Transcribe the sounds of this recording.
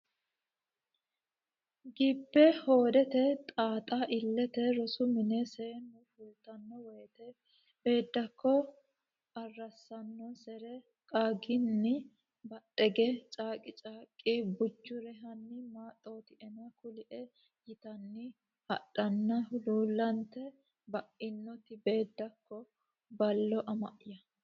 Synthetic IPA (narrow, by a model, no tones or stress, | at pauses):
ɡibːɛho̞ːd̪ɛt̪ɛt̪ʼaːt̪ʼɐʔɪlːɛt̪ɛɾɔsʊmɪnɛseːnːʊfʊlt̪ɐnːɔwɔjɛt̪ɛ | b̥e̞ːd̪ːɐkːɔ | ɐrːɐsːɐnːɔsɛɾɛ | kʼaːɡɪnːɪ | bɐɗɛɡɛt͡ʃʼaːkʼɪt͡ʃʼaːkʼːɪbʊd͡ʒːʊɾɛɦɐnːɪmaːt̪ʼːoːt̪ɪɛnɐkʊlɪʔɛ | jɪt̪ɐnːɪ | hɐ̰ɗɐnːɐʊluːlːɐnt̪ːɛ | bɐʔɪnːɔt̪ɪbe̞ːd̪ːɐkːɔ | bɐlːɔʔɐmɐ̰ʔɪjɐ